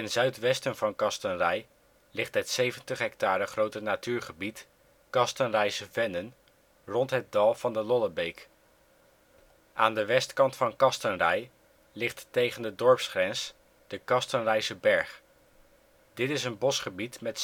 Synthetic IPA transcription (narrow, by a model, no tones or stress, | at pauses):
ɪnzœɥtʋɛstənvɑnkɑstənrɛj | lɪχtɦətsejvəntəχɦɛk̚taːɾəχrowtənatyːɹχəbit | kɑstənrɛjsəvɛnən | rɔntɦət̚dɑlˠv̥ɑndəlɔləbejk | ʔaːndəʋɛstkɑntfɑnkɑstənrɛj | lɪχtːejχəndədɔɹpsχrɛns | d̥əkɑstənrɛjsəbɛɹχ | d̥ɪtɪsənbɔsχəbitmɛt